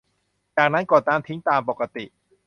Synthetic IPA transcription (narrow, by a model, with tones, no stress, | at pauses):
t͡ɕaː˨˩k̚na˦˥nkɔː˨˩t̪aː˧˥˩nt̪ʰi˦˥ŋt̪aː˧mpo˨˩ka˧t̪i˨˩ʔ